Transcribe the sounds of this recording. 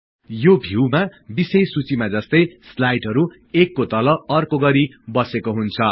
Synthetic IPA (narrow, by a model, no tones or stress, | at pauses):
jobʱiwmabisejsut͡simad͡zʌst̪ʌjslajʈɦʌɾu | ekːot̪ʌlʌʌrkoɡʌɾibʌsekoɦunt͡sʰʌ